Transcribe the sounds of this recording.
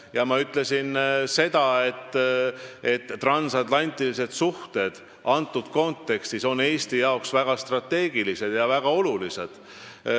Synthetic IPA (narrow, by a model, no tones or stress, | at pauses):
jɑmɑyt̪ˑle̞sinse̞d̪̥ɑe̞t̪ː | e̞t̪ːrɑnsɑt̪ˑlɑnʲt̪ːˑilise̞d̪̥suht̪e̞d̪̥ | ɑnt̪ˑːud̪̥ko̞nt̪ːe̞kst̪iso̞nːe̞ːst̪ijɑoksvæɡ̥ɑst̪rɑt̪ːe̞ːɡ̥ilise̞d̪̥jɑvæɡ̥ɑo̞lulise̞d̪̥